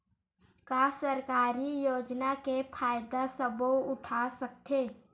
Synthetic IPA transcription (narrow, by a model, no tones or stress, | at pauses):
kasəɾkaːɾijoːd͡ʒnakepʰaːjd̪asəboʊʈʰasək̚t̪ʰeː